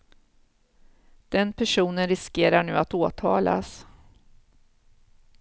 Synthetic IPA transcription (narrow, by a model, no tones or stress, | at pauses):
d̪̥ɛnpʰæʂuːnənɾɪskeːɾaɳʉ̟ːat̪oːt̪ʰɑːla̰s